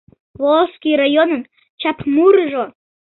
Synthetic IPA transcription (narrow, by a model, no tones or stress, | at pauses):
volskijrajonən | t͡ɕɑpmuɾʒo